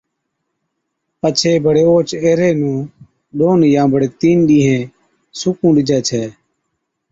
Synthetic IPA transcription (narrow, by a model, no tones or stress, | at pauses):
pət͡ʃʰeːbəɽeːoːt͡ʃeːɾeːnũː | ɗoːnjãːbəɽeːt̪iːnɗĩːɦẽː | sʊkũːɗɪd͡ʒɛːt͡ʃʰɛː